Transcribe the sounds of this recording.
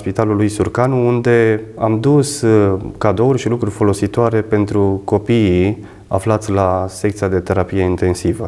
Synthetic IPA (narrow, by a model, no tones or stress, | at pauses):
spit̪alulujsurkanuund̪e̞amd̪uskad̪o̞urʲʃilukɾurʲfo̞lo̞sit̪oaɾe̞pe̞nt̪ɾuko̞pii | a̰flat̪sʲlase̞k̚t̪siad̪e̞t̪e̞ɾapije̞int̪e̞nsivə